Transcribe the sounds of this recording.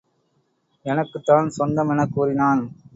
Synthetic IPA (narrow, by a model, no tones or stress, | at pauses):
ɛnɐkːɯt̪ːaːnsɔnd̪ɐmɛnɐkːuːɾɪnaːn